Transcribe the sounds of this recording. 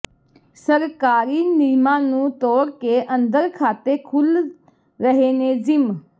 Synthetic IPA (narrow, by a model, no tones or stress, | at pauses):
səɾkaːɾiːniːmãːnũːt̪oːɾkeːʔənd̪əɾkʰaːt̪eːkʰʊl | ɾəɦeːneːzɪm